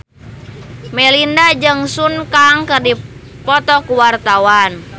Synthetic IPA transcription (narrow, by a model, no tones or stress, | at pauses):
mɛlindad͡ʒɨŋsunkaŋkɨrdi | pɔt̪ɔkuwart̪awan